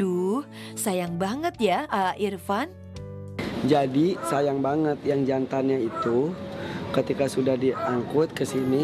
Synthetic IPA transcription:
uh | sajaŋbaŋət̪̚jaəʔirfan | d͡ʒadisajaŋbaŋət̪jaŋd͡ʒant̪anɲait̪u | kət̪ikasudahdiaŋkʊt̪̚kəsini

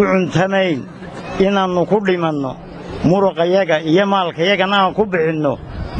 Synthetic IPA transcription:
ʊʕʊnt̪ʰɐmɛjn | ɪnaːnʊkʰʊɖɪmɐnːɔ̰ | mʊɾʊqɑjɐɣɐijɔmaːlkʰɐjɐɣɐnɐaːŋkʰʊbɪħɪnːɔ

